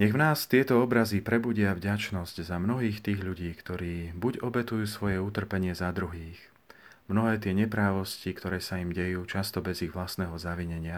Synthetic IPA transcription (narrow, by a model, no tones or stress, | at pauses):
ɲɛɣvnaːst̪ɪɛt̪ɔɔbɾazipɾɛbuɟɪavɟat͡ʃnɔzɟzamnɔɦiːxt̪iːɣʎuɟiːkt̪ɔɾiːbuɟɔbɛt̪ujuːsʋɔjɛut̪r̩pɛɲɪɛzad̪ɾuɦiːx | mnɔɦɛːt̪ɪɛɲɛpɾaːʋɔscikt̪ɔɾɛːsaimɟɛjuːt͡ʃast̪ɔbɛziɣʋlasnɛːɦɔzaʋiɲɛɲɪa